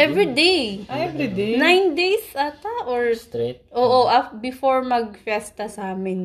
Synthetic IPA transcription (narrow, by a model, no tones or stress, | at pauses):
ʔɛvɹid̪ejɛvɾid̪enajnd̪ejsat̪ɐʔoɹt̪ɾet̪ʔoːʔoʔɐbɪfoɹmɐɡ̚fɛst̪ɐsaːmɪn